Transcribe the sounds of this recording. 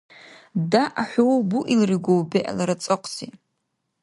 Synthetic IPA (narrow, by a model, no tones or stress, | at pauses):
daʔaħʷuwbuʔilriɡʷowbeʔa̰laɾat͡sʼɨqʷʼsi